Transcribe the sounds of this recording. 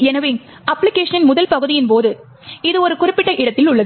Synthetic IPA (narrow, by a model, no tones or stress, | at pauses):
ɛnɐʋeːŋ | ɐpːlɪkeːʂɐnɪnmʊðɐlpɐɣɯðɪjɪnpoːðɯ | ɪðɯɔɾɯkʊrɪpːɪʈːɐlʔɪɽɐt̪ːɪlʊɭːɐðɯ